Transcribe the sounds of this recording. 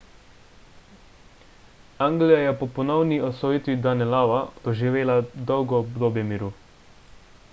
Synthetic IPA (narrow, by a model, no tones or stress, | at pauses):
aŋɡlijajɛpɔpɔnɔwniɔsɔjit̪ʋid̪anɛlaːʋad̪̥ɔʒiʋeːlad̪ɔwɡɔbd̪oːbjɛmiɾu